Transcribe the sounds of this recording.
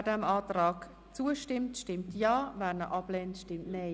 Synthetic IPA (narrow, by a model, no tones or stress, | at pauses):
dɛmaːtɾaːk | t͡suəʃtɪmtʃtɪmtjaːvɛːɾnəʔɑblɛːntʃtɪmtnɛɪ